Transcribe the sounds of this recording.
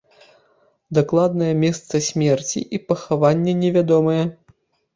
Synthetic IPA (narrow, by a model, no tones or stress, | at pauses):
d̪aklˠad̪nɐjɛmʲɛst̪sɐsʲmʲɛrt͡sʲḭʔipɐxavanʲːɐnʲɛvʲad̪ɔmɐjɛ